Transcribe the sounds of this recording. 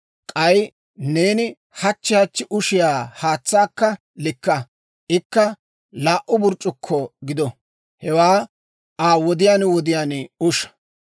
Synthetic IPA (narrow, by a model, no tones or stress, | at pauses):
kʼɐj | ne̞ːnɪ | hɐt͡ʃːɪhɐt͡ʃːɪʔʊʃɪjaːhaːt͡sːaːkːɐ | lɪkːɐ | ʔɪkːɐ | laːʔʊbʊɾt͡ʃʼːʊkʰːɔɡɪd̪ɔ | hɛwaː | aːwɔd̪ɪjaːnwɔd̪ɪjaːnʊʃɐ̥